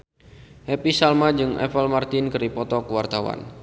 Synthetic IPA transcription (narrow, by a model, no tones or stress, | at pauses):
hɛpisalmad͡ʒɨŋɛ̰pɛlmart̪inkəɾipɔt̪ɔkuwart̪awa̰n